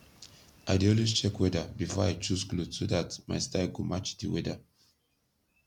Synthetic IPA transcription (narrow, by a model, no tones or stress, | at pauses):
ʔaɪdiɔlist͡ʃɛkwɛdabifɔajt͡ʃusɡludsodatma̰ɪstaɪɡomat͡ʃdiwɛda̰